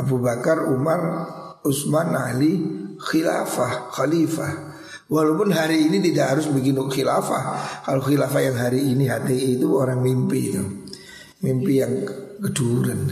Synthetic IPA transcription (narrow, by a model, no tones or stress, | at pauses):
abubakarumar | ʊsmana̰lixila̰fahxalifah | walawpʊnɦaɾiːnit̪̬idaʔɦaɾʊsbikinʊxilafa̰hkaloxilafajaŋɦaɾiːniɦat̪iit̪uoɾaŋmimpit̪u | mimpijaŋkəduɾan